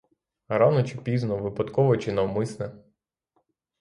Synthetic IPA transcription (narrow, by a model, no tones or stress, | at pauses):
ɾɑnɔt͡ʃipʲiznɔʋɪpɐt̪kɔʋɔt͡ʃɪnɐwmɪsnɛ